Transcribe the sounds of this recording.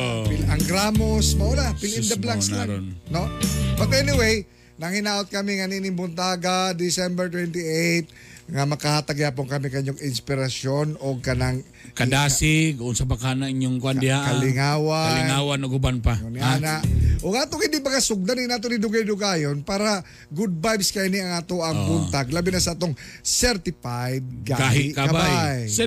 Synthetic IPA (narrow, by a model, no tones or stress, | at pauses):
pɪlaŋɡɾaːmosmaʔolafɪlɪnd̪ɐblaksannobɐt̪ɛnɪwej | nɐŋhɪnaːʔot̪̚kɐmɪŋɐninɪŋbʊnt̪aːɡad̪ɪsɛmbɛɹt̪wɛnt̪ɪʔejt̪̚ŋamɐkahat̪ɐɡjaːpoŋkɐmɪkɐɲoɡɪnspɪɾɐsonoɡ̚kɐnaŋ | kɐdaːsɪkʊnsapakanaiɲoŋkoandɪhaʔalɪŋaːwalɪnŋawanoɡubanpaonanaʔʔoɡaːt̪oŋɪnd̪imɐɡasʊɡ̚d̪anɪnaːt̪̬onɪd̪ʊɡajd̪ʊɡaːjonpaːɾa | ɡud̪̚bajbskɐiniɐŋaːt̪oʔɐŋbunt̪aɡlabɪnasɐʔaːt̪oŋsɛɾt̪ɪpajd̪̚kaɡɦɪkaababajj